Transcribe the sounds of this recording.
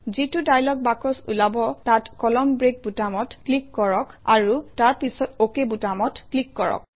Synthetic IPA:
zitudajlɔk̚bakɔsṵlabɔtatkɔlɔmbɹek̚butamɔtklikːɔɹɔkaɹutaɹpisɔtokebutamɔtklikːɔɹɔ̰k̚

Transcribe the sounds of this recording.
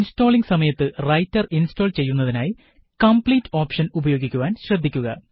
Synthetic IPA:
insto̞ːɭiŋɡsɐmɐjɐt̪ːɨrɐjtːɐrinsto̞ːlt͡ɕe̞jːunːɐðinaːji | kɐmpliːtːo̞ːpʂɐnubɐjo̞ːɡikʲːuʋaːnɕrɐd̪ʱːikʲːuɣɐ

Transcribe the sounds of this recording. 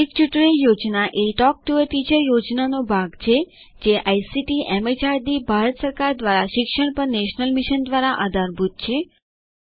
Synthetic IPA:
ik̚t͡ʃuʈɭijod͡ʒnaʔeʈɔk̚ʈuʋəʈid͡ʒəjod͡ʒnanobʱaɡt͡ʃʰe | d͡ʒeʔajsiʈiɛmed͡ʒaɾd̪ibʱaɾət̪səɾkaɾd̪ʋaɾaʃɪkʃəɳ̃pəɳneʃnəlmiʃənd̪ʋaɾaʔad̪ʱaɾbʱut̪̚t͡ʃʰe

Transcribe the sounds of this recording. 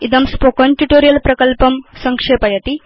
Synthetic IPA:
id̪ɐmspokɐnʈuʈoɾijɐlpɾɐkəlpɐmsɐŋkʂepɐjɐt̪i

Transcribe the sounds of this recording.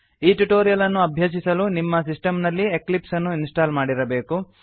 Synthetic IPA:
iːʈuʈoːɾijɐlɐnːuɐbʱjɐʃ̬isɐlunimːɐsisʈɐmnɐlːieklipsɐnːuinsʈaːlmaːɽiɾɐbe̞ːku

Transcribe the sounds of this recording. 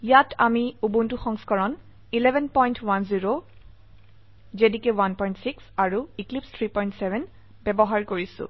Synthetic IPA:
jatʰamiubuntuxɔŋskɔɹɔn | ilɛbʱɛnpɔjntʰwanziɹo | zedikɛwanpɔj̃ntsiksaɹuiklipstʰɹipɔjntsɛvʱɛn | bɛbɔɦaɹkoɹisʊ̰̃

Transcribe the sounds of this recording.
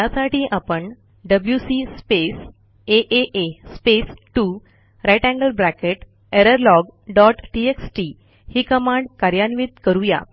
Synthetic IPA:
jasaʈʰiːʔapəɳ | ɖəbljusispes | eʔeʔespesʈu | ɾajʈæ̃ŋɡəlbɾækeʈ | eɾəɾlɔɡɖɔʈʈieksʈi | hiːkəmaɳɖkaɾjanʋiːt̪kəɾũja̰

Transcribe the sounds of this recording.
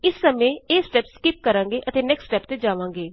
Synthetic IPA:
ɪsːəmẽːeːsʈɛːpskɪp̚kəɾãːŋɡeːʔət̪eːnɛːksʈɛːpt̪eːd͡ʒaːʋãːŋɡeː

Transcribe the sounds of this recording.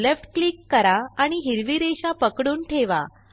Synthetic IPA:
lefʈklikːəɾaaɽ̃iɦiɾʋiɾeɕapəkɽuːnʈʰeʋa̰

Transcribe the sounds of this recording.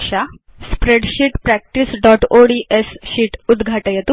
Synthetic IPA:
ʂa | spɾeɽɕiːʈpɾæk̚ʈisɖɔʈoɽiʔesɕiːʈud̪ɡʱaʈəjet̪ũ

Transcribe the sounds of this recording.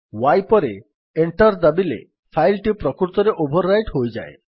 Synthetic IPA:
wajpɔɾe | eɳʈɔɾd̪abilḛ | pʰajlʈipɾɔkuɾt̪ɔɾeʔobʱɔɾːajʈɦojd͡ʒa̰e

